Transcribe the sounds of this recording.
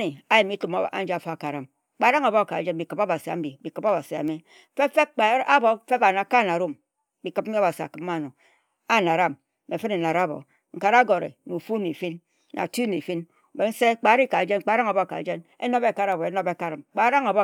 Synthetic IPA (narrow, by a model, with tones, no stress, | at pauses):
ni˨a˦ji˨mi˦tu˨m˨˦˨a̰˦n̩˦d͡ʒa˨fa˦a˨ka˨ɾa˨m˨ | k͡pa˨˦ɾa˦ŋa˨bo˦˨ka˨d͡ʒe˦n˨bi˨kɨ˨po˦ba˨si˨a˨˦m̩˦bi˨˦i˨kɨ˨po˦ba˨si˨a̰˨me˦ | fe˦fe˦k͡pa˨˦a˦bo˨˦fe˦ba˨na˨ka˦˨na˨ɾo˦m | bi˨kɨ˦b̚m̩˦i˦a˦ba˨si˨a̰˨kɨ˨˦mː˦a˦˨no˨ | a˦na˨ɾa˦mː | e˨fe˦ne˨na˨ɾa˦bo̰˨ | ŋ̩˨ka˨ɾa˦ɡo˨ɾḛ˨nu˨fu˦n˨e˨fi˦n | na̰˨tu˦n˨e˨fi˦n˨ | be˨n̩˦se˦k͡pa˨˦ɾi˦ka˨d͡ʒe˦n˨˦k͡pa˨˦ɾa˦ŋa˨bo˦˨ka̰˨d͡ʒe˦ne˦no˦be˦˨ka˨ɾa˨bo˨e˦no˦be˦˨ka˨ɾa˨mk͡pa˨˦ɾa˦ŋa˨bo˦